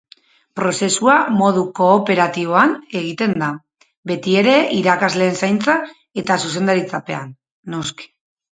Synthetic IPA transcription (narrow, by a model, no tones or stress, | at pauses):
pɾo̞se̞suamo̞ðuko̞ːpe̞ɾat̪iβo̞ane̞ɣ̞it̪e̞nd̪a | be̞t̪ie̞ɾe̞iɾakazle̞ːnsajnt͡sa | e̞t̪asus̬e̞nd̪aɾit͡sape̞a̰nː | o̞ski̥